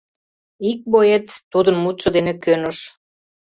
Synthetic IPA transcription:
ik̚bojet͡st̪ud̪ənmut̪ʃə̆d̪enekønoʃ

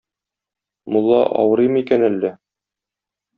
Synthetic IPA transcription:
mŭlˠːɑ̰ʔɒ̰wɤ̆ɾɤjmikænælːɘ

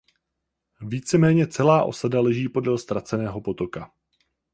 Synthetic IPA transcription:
viːt͡sɛmɛːɲɛt͡sɛlaːʔo̞̰sadalɛʒiːpo̞dɛlst̪ɾat͡sɛnɛːɦo̞po̞t̪o̞ka

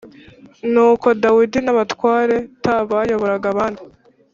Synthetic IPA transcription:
nuːko̞dawidinaβatwaːɾe̞taβajo̞βo̞ɾaɡaβaːndi

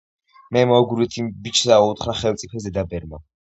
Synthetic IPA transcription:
mɛmɔɡuɾit̪ʰimbit͡ʃʰsaɔut̪ʰχɾaχɛlt̪sʼipʰɛszɛd̪abɛɾma

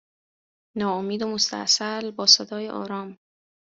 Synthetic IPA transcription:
nɒːomiːd̪omost̪ʰæ̰ʔsælbɒːsed̪ɒːjeʔɒ̰ːɾɒːm

